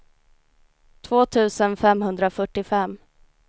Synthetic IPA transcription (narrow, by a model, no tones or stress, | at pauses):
t̪ʰvoːt̪ʰʉ̟ːsənfɛmɦɵnd̪ɾafœʈːɪfɛmː